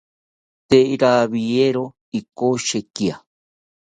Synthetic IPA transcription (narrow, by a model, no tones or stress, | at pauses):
t̪eiɾaβieɾo | ikoʃekia